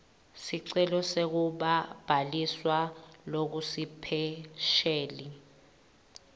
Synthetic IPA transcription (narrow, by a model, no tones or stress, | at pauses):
siǀɛlɔsek̬uɓab̥ʱaliswalok̬usipʰɛʃɛːli